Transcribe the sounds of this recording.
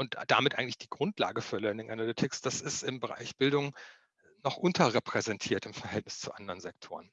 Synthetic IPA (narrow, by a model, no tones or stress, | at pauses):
ʔʊntd̥amɪtʔaɪɡŋ̩tlɪ̥çd̥iːɡʁʊntla̰ːɡəfœləɪndeːnʔanalʏtʰɪksd̥asɪstɪmbəʁa̰ɪçb̥ɪldʊŋ | nɔχʔʊntʰɐʁepʁ̥ɛzɛntʰiːɐtɪmfɛɐhɦɛltnɪst͡suʔandəʁənzɛk̚tʰoːʁən